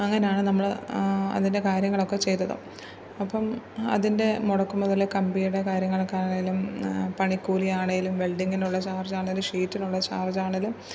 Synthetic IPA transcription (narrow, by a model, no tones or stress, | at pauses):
ɐŋːɐnejaːɳɨnɐmːɐɭɐ̰ðinde̞kaːɾjɐŋːɐɭo̞kːe̞t͡ɕe̞jt̪ːɐðɨ̰ | ɐpːɐmɐ̰ðinde̞muɽɐkːumːɐðilːekɐmbijuɽe̞kaːɾjɐŋːɐɭokːaːnaɳɐjilumpɐɳikːuːlijaːɳɐjilumʋeɭɖiŋɡinuɭːɐt͡ɕaːrd͡ʑaːɳɐilumʂiːtːinuɭːɐt͡ɕa̰ːrd͡ʑaːɳɐilum